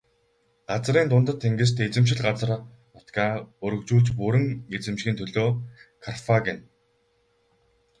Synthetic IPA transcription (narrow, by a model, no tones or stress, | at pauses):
ɢat͡sriːnt̪ʊnt̪ə̆t̪ʰːeŋɡɘ̆s̬t̪ʰet͡sɘ̆mʃ̬ɪ̆ɮɢat͡sə̆r | ʊt̪ɡaːɵɾɵ̆kt͡ɕuːɮt͡ɕpɵɾɘ̆ŋet͡sɘ̆mʃxʲiːnt̪ʰɵɮoːkʰarfaɡɪn